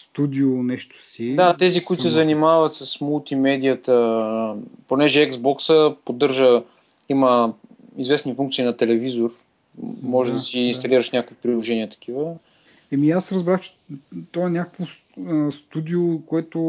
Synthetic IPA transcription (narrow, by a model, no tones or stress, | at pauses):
st̪ud̪ʲionɛʃt̪o̥sid̪at̪ɛzikoʊit̪ʊsɛzɐnimavɐt̪səsmulˠt̪imɛd̪iət̪ə | ponɛʒɛɛɡsbɔksəpod̪ɤɾʒə | imə | izvɛsnifuŋkt̪sinɐt̪ɛlɛvizor | mɔʒɛd̪ɐsiːnst̪ɐliɾəʃnʲakovipɾʲilˠoʒɛniət̪ɐ̥k̟ʰivə | ɛmiasɾɐzbɾaxt͡ʃɛ̥t̪ɔɛnʲakə̥kvo | əst̪ud̪iokoɛt̪o